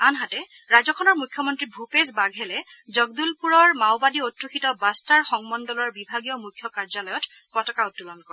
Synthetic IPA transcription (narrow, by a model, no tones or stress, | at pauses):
anɦatɛ | ɹazɔkʰɔnɔɹmukʰːjɔmɔntɹibʱupesbaɡʱɛlɛzɔɡdulpuɹɔɹmawbadiotɹukʰitɔbastaɹxɔŋmɔndɔlɔɹbibʱaɡijɔmukʰjɔkaɹzalɔjɔt | pɔtɔkaʊtːulɔnkɔɹ